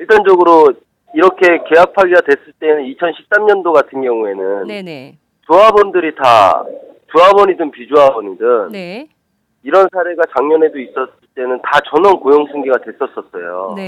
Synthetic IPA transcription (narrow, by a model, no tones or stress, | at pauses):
iɭt͈and͡ʑʌɡɯɾo | iɾʌkʰe̞ke̞ɦak̚pʰaɡiɡadwe̞s͈ɯɭt͈e̞nɯnit͡ɕʰʌnɕʰi̥p̚s͈amɲʌndoɡatʰɯnɡjʌŋue̞nɯn | tuɦabʌndɯɾita̰ | t͡ɕuɦabʌɲidɯnpid͡ʑuɦabʌɲidɯŋ | iɾʌnsʰaɾe̞ɡat͡ɕaŋɲʌnɦe̞dois͈ʌs͈ɯɭt͈e̞nɯntat͡ɕʌnʌnkojoŋsʰɯŋɡiɡadwe̞s͈ʌs͈ʌs͈ʌ̰jo̰